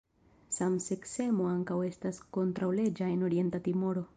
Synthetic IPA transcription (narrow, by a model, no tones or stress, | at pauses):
samsekse̞mo̞aŋkawe̞stasko̞ntɾawle̞d͡ʒaeno̞ɾie̞ntat̪imo̞ɾo̞